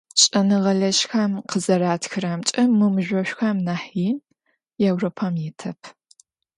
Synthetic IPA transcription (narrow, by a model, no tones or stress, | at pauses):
ɕʼɐnɨʁɐɮɐɕxɐmqəzɐɾaːtxɨɾɐmt͡ʃʼɐmɨmɨʒʷɔɕʷᶣxɐmnaːħiː | jɛwropʰɐmjɪtʰɐpʰ